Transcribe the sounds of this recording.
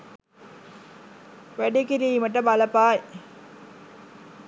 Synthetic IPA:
ʋɐɖikiɾiimɐʈːɐbɐlɐpːaːj

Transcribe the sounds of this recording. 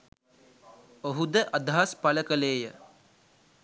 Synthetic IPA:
oɦud̪əʔad̪ʱaɦaspaləkəleːjə

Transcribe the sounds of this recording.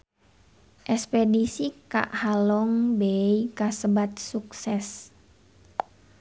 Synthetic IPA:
ʔɛspɛdisika̰ʔhalɔŋbɛikasəbat̪̚suksɛs

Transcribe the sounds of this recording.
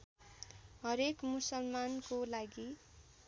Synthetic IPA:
ɦʌɾekmusʌlmankolaɡi

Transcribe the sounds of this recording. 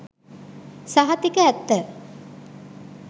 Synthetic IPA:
saɦat̪ikəæt̪ːə

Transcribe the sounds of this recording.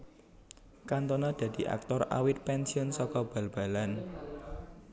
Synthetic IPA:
kant̪ɔnɔd̪̥ä̤d̪̥i̤ʔa̰k̚t̪ɔra̰wɪt̪̚pɛnsiʊnsɔkɔb̥a̤lb̥a̤lan

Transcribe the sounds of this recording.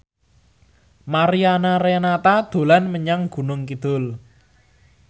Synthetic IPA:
maɾianaɾenat̪ad̪̥o̤lanməɲaŋɡ̥ṳnʊŋkid̪̥ʊl

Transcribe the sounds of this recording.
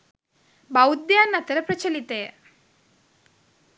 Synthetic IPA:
bawd̪janːɐt̪ɐɾepɾɐt͡ʃɐlit̪e

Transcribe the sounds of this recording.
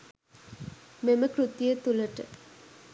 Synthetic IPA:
meməkrut̪ijət̪uləʈə

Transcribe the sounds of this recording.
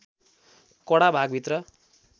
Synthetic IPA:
kʌɽabʱaɡbʱit̪rʌ

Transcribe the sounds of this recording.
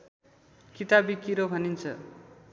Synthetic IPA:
kit̪abikiɾobʱʌnint͡sʰʌ̰

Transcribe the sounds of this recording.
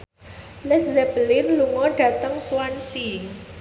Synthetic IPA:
lɛkzɛbəlɪnluŋɔɖ̥a̤t̪əŋsuwansi

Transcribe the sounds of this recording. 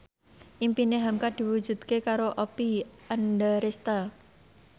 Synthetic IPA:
ʔimpineɦamkad̪̥i̤wud̥d͡ʒ̥ṳd̪̥̚kekaɾoʔɔpiʔandaɾest̪a

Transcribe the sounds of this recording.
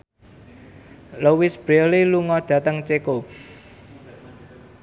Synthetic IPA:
lowisb̥ɾoliluŋɔd̪̥ä̤t̪əŋt͡ʃeko

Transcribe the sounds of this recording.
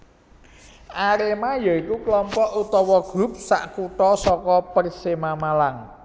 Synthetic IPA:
ʔaɾemajɔikuklɔmpɔʔut̪ɔwɔɡ̥ɾṳp̚sa̰ʔkuʈɔsɔkɔpərsemamalaŋ

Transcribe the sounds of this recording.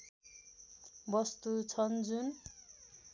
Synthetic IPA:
bʌst̪ut͡sʰʌnd͡zun

